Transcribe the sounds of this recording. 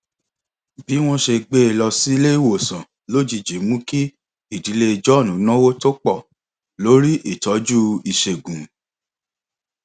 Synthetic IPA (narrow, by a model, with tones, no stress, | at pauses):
bi˨˦w̃ɔ̃˦ʃe˧ɡ͡be˦˨lɔ˧si˦le˦i˦˨wo˦˨sã˨ | lo˦d͡ʒi˧˨d͡ʒe˨˦mũ˦ki˦ | i˦˨di˨˦le˦i˧d͡ʒɔ˦˨nũ˨˦nã˦wo˦to˦k͡pɔ˦˨ | lo˦ɾi˦ʔi˦˨tɔ˨˦d͡ʒu˦i˨ʃe˨ɡũ˨